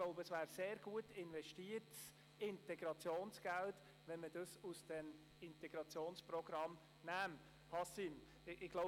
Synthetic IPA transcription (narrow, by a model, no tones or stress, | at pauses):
ɡ̥loʊbəəsʋæːɾseːɾɡuətɪnvɛʃtiːəɾt͡s | ɪntɛɡ̥ɾɑt͡sjoːnsɡ̥ælt | ʋɛnməd̥ɑsusd̥ɛm | ɪntɛɡ̥ɾɑt͡sjoːnsprɔɡ̥ɾɑm | næːm | hɑsim | ɪɡ̥loʊ